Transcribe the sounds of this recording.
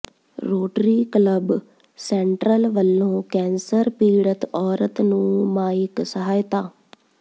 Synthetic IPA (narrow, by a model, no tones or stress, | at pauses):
ɾoːʈɾiːkləb | sɛːɳʈɾəlʋəlːõːkɛ̃ːnsəɾpiːɽət̪ɔːɾət̪nũːmaːɪksəɦaːjt̪aː